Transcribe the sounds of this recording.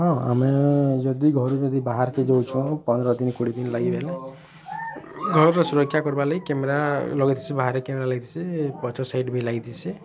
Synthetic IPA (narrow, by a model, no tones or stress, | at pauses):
ɦɔ̃a̰med͡ʒɔd̪iɡʱɔɾud͡ʒɔd̪ibaɦaɾked͡ʒɔwt͡ʃʰɔ̃pɔnd̪ɾɔd̪inikuɽid̪inlaɡibʱele | ɡʱɔɾuɾɔsuɾɔkʰːjakɔɾbalɔikemeɾalɔɡit̪ʰi̥sibaɦaɾekemeɾalaɡit̪ʰi̥sʰipɔt͡ʃʰɔsajɖbʱilaɡit̪ʰisʰi